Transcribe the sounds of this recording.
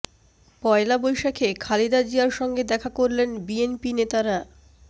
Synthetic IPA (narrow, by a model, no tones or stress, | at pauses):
pɔelabojʃakʰekʰalid̪ad͡ʑiaɾʃɔŋɡed̪ɛkʰakoɾlenbienpinet̪aɾa